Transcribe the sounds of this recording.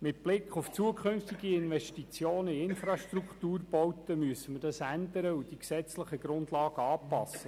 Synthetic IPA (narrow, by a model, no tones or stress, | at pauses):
mɪt̚b̥lɪkχʊft͡suəkʰχʏnft̪iɡiɪnvɛʃtit͡sjoːnəiɪnfrɑʃtrukt̪uːrb̥ɔwt̪əmyəsəməd̥ɑsænd̪əɾəud̥iksɛt͡sləχəɡ̥ɾʊndlɑːɡəɑːpɑ̰sːə